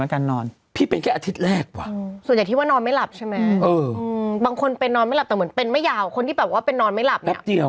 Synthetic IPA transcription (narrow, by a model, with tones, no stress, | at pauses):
nka˧nːɔː˧n | pʰiː˥˩pe˧nkʰɛː˥˩ʔa˧t̪ʰi˦˥t̪̚ɾɛː˥˩k̚kwa̰ː˨˩˧swja˨˩t̪ʰi˥˩waː˥˩nɔː˧nma˥˩la˨˩p̚t͡ɕʰa˥˩jma˦ʔɤː˧baː˧ŋkʰo˧npe˧nːɔː˧nma˥˩jla˨˩p̚t̪ːm˩˦npe˧nma˥˩jːaː˧˩wkʰo˧nt̪ʰi˥˩bɛ˨˩p̚waː˥˩pe˧nːɔː˧nma˥˩jla˨˩p̚nɛ˦˩˦p̚di˧ə